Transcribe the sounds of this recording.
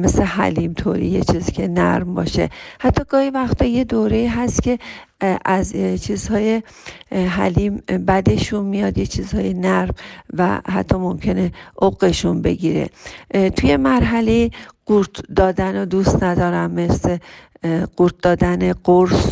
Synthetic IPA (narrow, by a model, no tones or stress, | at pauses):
meslehæ̰limt̪ʰo̰ːɾḭjet͡ʃʰizicʰe̞næ̰ɾmbɒ̰ːʃe̞̰hæt̪ʰːɒːɡɒːhivæxt̪ʰɒːje̞d̪oːɾe̞iːɦæst̪cʰʲe̞ʔæzt͡ʃʰiːz̥hɒːje | ɦæ̰liːmbæd̪e̞ʃunmijɒd̪jet͡ʃʰiːzhɒːjenæɾmvæ̰ɦæ̰t̪ʰːɒːmo̞mcʰe̞ne̞ʔoɣe̞ʃunbe̞̰ɟiːɾe̞̰t̪ʰuje̞mæɾɦæle̞jiɡ̥uɾt̪ʰd̪ɒːd̪ænod̪ust̪næd̪ɒːɾæmːe̞sle | ɡ̥uːɾt̪̚d̪ɒːd̪æneɡoɾs